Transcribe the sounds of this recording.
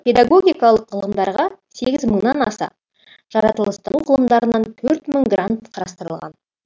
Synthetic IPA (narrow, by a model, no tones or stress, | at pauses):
pʰʲe̞d̪aɡo̞ɡʲijkɑlˠəqːʰəlˠʁəmd̪ɑɾʁɑseɡʲɪzməɴnɑnɑ̰sɑ̰ | ʒ̥ɑɾɑt̪əlˠəst̪ənuʁʰəlˠəmd̪ɑɾənɑnt̪ʰɵɾt̪məŋɡrant̪qʰɑɾɑst̪əɾəlˠʁɑ̰n